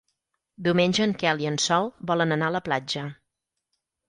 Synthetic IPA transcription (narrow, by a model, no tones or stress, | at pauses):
d̪iwmeɲʲd͡ʒəːŋkɛliənsɔlˠbɔlənənaələplad͡ʒə